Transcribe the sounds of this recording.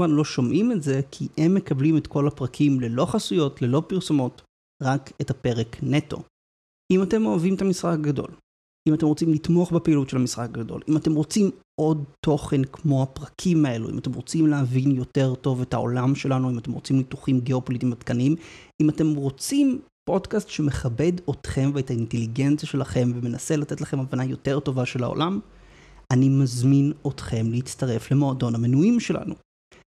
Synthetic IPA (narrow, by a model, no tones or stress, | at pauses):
vanlo̞ʃomʔimetze̞kʰiʔemːekablimetko̞lapʁakʰimle̞lo̞χasujo̞tle̞lo̞piʁso̞mo̞t | ʁakethape̞ʁekne̞to̞̰ | ʔimate̞mo̞avimetamisʁak̚aɡado̞̰l | imate̞mʁo̞t͡simlitmo̞aχbepeilutʃelhamisʁak̚aɡado̞̰limate̞mʁo̞t͡sim | o̞d̚to̞χe̞nkmo̞hapʁɐkʰimae̞lṵḭmate̞mʁo̞t͡simleɦavinjo̞te̞ʁto̞ve̞tao̞̰lamʃe̞lanuimate̞mʁo̞t͡simlituχimɡeopo̞lit̪imad̪kanimimate̞mʁo̞t͡sim | po̞dkastʃemeχabe̞do̞tχe̞mveetainte̞liɡent͡sijaʃe̞laχe̞mveme̞nase̞latetlaχe̞mavanajo̞te̞ʁto̞vaʃe̞la̰o̰lam | ʔanimazmino̞tχe̞mleit͡stɐʁe̞fle̞mo̞ado̞nhamenuimʃe̞la̰nṵ